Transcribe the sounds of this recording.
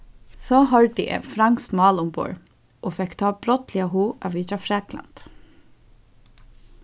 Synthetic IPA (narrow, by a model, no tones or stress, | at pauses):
sɔːɦɔɹt̪ɪʔɛ̰ːfɾaŋkstmɑːlʊmpɔ̰ɹ | ʔoːfɛkt̪ʰɑːb̥ɾɔt̪lɪaɦuːaʋiːt͡ʃafɾɛːkla̰nt̪